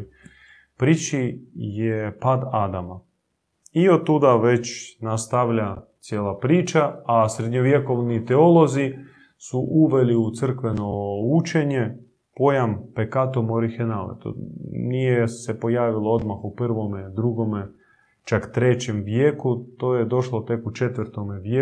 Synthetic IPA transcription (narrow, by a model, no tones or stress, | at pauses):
pɾit͡ʃijepad̪ad̪ama | iod̪̚t̪ːud̪aʋe̞t͡ɕnast̪aʋʎat̪sjeːlˠapɾiːt͡ʃaːsɾed̪ɲoʋje̞ko̞ʋnit̪eo̞lˠo̞zi | suʔuʋe̞liut̪sɨr̩kʋe̞no̞ut͡ʃe̞ɲe̞ | po̞jampekat̪omoɾixenalḛt̪o̰nijese̞po̞jaːʋilˠoo̞d̪maxupr̩ʋo̞med̪ɾuɡo̞me | t͡ʃakt̪ɾe̞t͡ɕe̞mʋjeːkut̪oːjed̪o̞ʃlot̪e̞kut͡ʃe̞t̪ʋrt̪o̞meʋje